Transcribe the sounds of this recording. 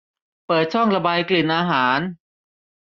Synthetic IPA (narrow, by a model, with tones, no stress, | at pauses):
pɤː˨˩t̪̚t͡ɕʰɔ˥˩ŋɾa˧baː˧jkli˨˩nʔaː˧ɦaː˩˦n